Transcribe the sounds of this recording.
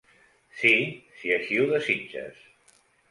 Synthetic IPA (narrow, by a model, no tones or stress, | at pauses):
sisiəʃiuðəzid͡ʒə̰s